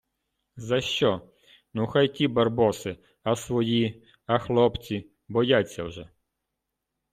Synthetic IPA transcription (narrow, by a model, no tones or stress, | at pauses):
zɐʃt͡ʃɔ | nuxajkʲibɐrbɔsɪ | ɐsʋɔji | ɐxlˠɔpt͡sʲi | bɔjat͡sʲːɐ̰wʒɛ